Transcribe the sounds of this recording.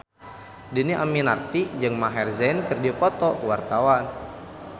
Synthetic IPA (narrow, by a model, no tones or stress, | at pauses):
diniʔaminart̪id͡ʒɨŋmaɦɛrzɛnkɨrdupɔt̪ɔwart̪awan